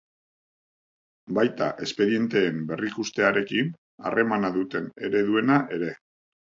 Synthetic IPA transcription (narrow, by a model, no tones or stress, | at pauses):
bajt̪a̰ʔe̞spe̞ɾie̞nt̪e̞ːmbe̞rikust̪e̞aɾe̞kin | a̰re̞manaðut̪e̞ne̞̰ɾe̞ðue̞naʔe̞ɾe̞